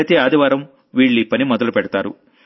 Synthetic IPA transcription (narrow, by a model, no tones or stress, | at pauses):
t̪eːaːd̪iʋaːɾɐm | ʋiːɭːipɐnimɔd̪ɐlupɛɽɐt̪aːɾṵ